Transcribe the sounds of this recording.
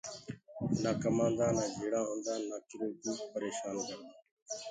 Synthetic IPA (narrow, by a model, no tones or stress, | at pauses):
naːkəmãːnd̪aːnaːd͡ʒʱeːɽãːɦõːnd̪aːnaːkɪɾuːt̪uːpəɾeːʃaːnkəɾd̪aː